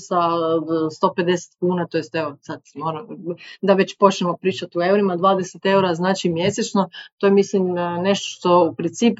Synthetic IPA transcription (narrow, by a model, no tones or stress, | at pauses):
sast̪o̞pe̞d̪e̞se̥t̪kuːnat̪ojest̪eosad̪moːɾamd̪aʋe̞t͡ɕpo̞t͡ʃnemo̞pɾiːt͡ʃat̪ue̞uɾimad̪ʋaːd̪eset̪e̞uɾaznaːt͡ʃimje̞set͡ʃno̞t̪ojemislimne̞ʃt̪o̥ʃt̪o̞upɾint̪siːp